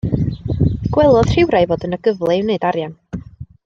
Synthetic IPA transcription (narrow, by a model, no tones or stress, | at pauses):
ɡ̥wɛlˠɔð̥r̥ɪwɾajvoːdənəɡəvlˠɛɪwneɨdaɾjan